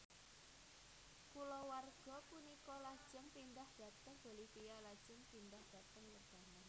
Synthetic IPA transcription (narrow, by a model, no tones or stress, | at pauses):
kulɔwarɡ̥ɔ̤punikɔlad̥ʒ̥ə̤mpind̪ahd̥ä̤t̪əŋb̥o̤lihpijalad̥ʒ̥əmpind̪ahd̥a̤t̪əŋwərd̪̥a̤nan